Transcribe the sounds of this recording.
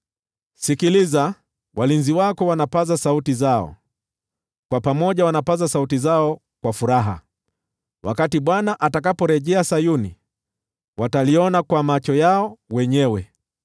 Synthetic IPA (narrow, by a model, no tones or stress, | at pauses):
sikiliza | wʔalinziwakɔwanapazasautizaɔ̰ | kwapamɔʄawanapazasautizaɔ | kwafuɾaɦa̰ | wa̰katiɓwanaʔatakapɔɾɛʄɛasajunḭ | wataliɔnakwamat͡ʃɔjaɔwɛɲɛwɛ